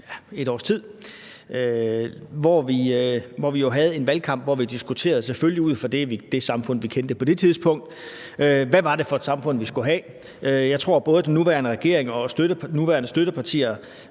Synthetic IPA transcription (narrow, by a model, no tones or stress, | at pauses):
je̝ɾɒ̰ːst͡sʰið̰ˠ | ø | ʋɒʋiøʋɒʋijo̝ɦæð̞̩ˠe̝nʋælkʰɑ̈m̰b̥ʋɒʋid̥isɡ̥ut͡sʰe̝̰ːɐð̞̩ˠsefølliuð̞̰ˠfɒ̽d̥eʋid̥e̝sɑ̈mfɔ̽n̰ʋikʰend̥əpʰɒ̽d̥e̝t͡sʰiðˠspʰɔ̽ŋ̰d̥ | øʋæʋɑ̈ɾe̝fɒ̽ed̥sɑ̈mfɔ̽n̰ʋisɡ̥uɦɛ | jɑ̈ɪt͡sʰʁo̝ɐ̰b̥ɔ̽ːð̞ˠəd̥enːuʋæːɐnəʁɛɡ̥e̝̰ɐe̝ŋɒ̽sd̥øɾənuʋæːɐnəsd̥øɾəpʰɑ̈t͡sʰḭːɐ